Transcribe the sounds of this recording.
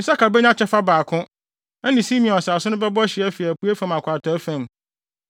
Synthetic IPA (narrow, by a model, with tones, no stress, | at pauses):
ɪ̃˨sa˦ka˨bɛ˦ɲ˦ã˦t͡ɕʰɛ˦fa˦baː˨kʰʊ̃˦ | ɛ˦nɪ̃˨si˦mĩ˨ɔ̃˨n˨ssʊ̃˦nʊ̃˦bɛ˦bɔ˦ɕɪ˨æ˦fi˨æ˨pʰu˦æ˦fã˨mã˨kʷʰa˨tʰɔ˨æ˦fæ̃˨m